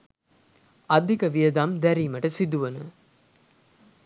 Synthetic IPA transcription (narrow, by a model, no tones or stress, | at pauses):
ɐd̪ʱikɐʋijɐd̪aːmd̪æɾiːmɐʈɐsid̪uʋɐnṵ